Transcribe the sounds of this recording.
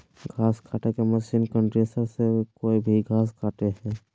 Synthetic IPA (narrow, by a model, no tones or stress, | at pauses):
ɡʱaːskʰaːʈekeməʃiːnkəɳʈɾesəɾsekoːibʱiɡʱaːs̬kʰaːʈeɦɛː